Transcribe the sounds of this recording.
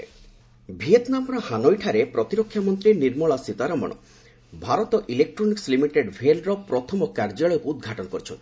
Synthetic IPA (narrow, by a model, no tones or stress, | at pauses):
bʱiet̪namɔɾɔhanojʈʰaɾepɾɔt̪iɾokʰːjamɔnt̪ɾiniɾmɔɭasit̪aɾɔmɔ̰ɽ̃ɔ̰ | bʱaɾɔt̪ɔʔilek̚ʈɾɔnikslimiʈeɖbʱelɾɔpɾɔt̪ʰɔmɔkaɾd͡ʒɔlɭɔjɔkuːd̪ɡʱaʈɔnɔkɔɾit͡ʃʰɔ̰nt̪